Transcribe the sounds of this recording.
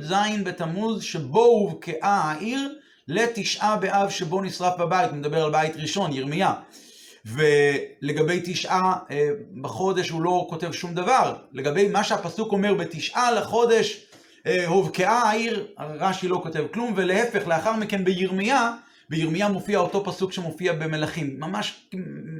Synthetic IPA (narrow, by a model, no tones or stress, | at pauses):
zajinbet̪amuzʃebo̞huvkeʔaaʔiʁ | le̞t̪iʃʔabeʔavʃebo̞nisʁafbabajithumed̪abeʁalbaitʁiʃo̞njiʁmija | vele̞ɡabe̞jt̪iʃʔa | baχo̞d̪e̞ʃhulo̞ko̞te̞vʃumd̪avaʁle̞ɡabe̞jmaʃeapɐsuko̞meʁbe̞t̪iʃʔalaχo̞d̪e̞ʃ | ehovkeʔaaiʁaʁaʃilo̞ko̞te̞vklumve̞lehefe̞χle̞aχaʁmike̞nbejiʁmija | bejiʁmijamo̞fiao̞to̞pasukʃemo̞fiabe̞me̞laχimːamaʃk